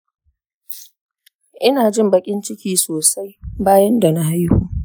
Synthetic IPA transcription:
ʔɪ˦naː˨d͡ʒɪ˦˨mbɐ˨kʲʼɪ˦nt͡ʃɪ˦kʲiː˦soː˨sa˦jbaː˦jɐ˦nda˨na˦ɦa˦jhuː˦

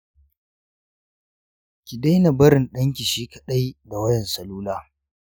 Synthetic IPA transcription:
kʲi˨da˦jna˨bɐ˦ɾɪ˨nɗɐ˦ŋkʲi˨ʃiː˦kɐ̥˨ɗa˦jda˨wɐ˦jɛ˨nsɐ˨luː˦laː˦

